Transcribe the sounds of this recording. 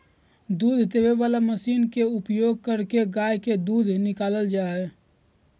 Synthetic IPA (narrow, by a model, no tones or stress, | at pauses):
d̪uːd̪ʱd̪eʋeʋalaməsiːnkeupjoɡ̚kəɾkeɡajked̪ud̪ʱnɪkaːləld͡ʒaːe